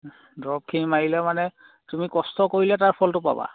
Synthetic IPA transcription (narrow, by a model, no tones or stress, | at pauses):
dɔp̚kʰinimaɹilɛmanɛ | tumikɔstɔkoɹilataɹpʰɔltʊpa̰ba̰